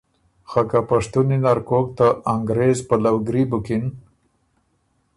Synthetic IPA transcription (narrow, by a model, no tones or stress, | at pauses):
xakapaʂt̪uninaɾkok̚t̪aʔaŋɡɾezpalawɡɾibʊkɪn